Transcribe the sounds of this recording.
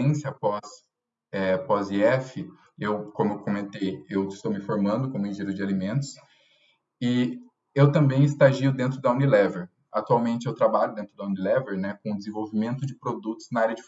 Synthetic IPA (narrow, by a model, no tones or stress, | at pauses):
ẽsjɐpɔs | ɛpɔziɛfɪ | ewkõmʊewkomẽnt̪ejewɪst̪owmɪfoɾmɐ̃nd̪ʊkõmʊ̃ĩʒiɾɐzd͡ʒɪalimẽnt̪ʊ̥s | ɪ | ewt̪ɐ̃mbẽj̃ɪst̪aʒiʊd̪ẽnt̪ɾʊd̪ɐũnilɛveɾ | a̰t̪uawmẽnt͡ʃɪewt̪ɾabaʎʊd̪ẽnt̪ɾʊd̪ɐũnilɛveɾnɛkõʊd̪ɪzẽvowvimẽnt̪ʊd͡ʒɪpɾod̪ut̪ʊ̥z̥nɐaɾjɐd͡ʒɪf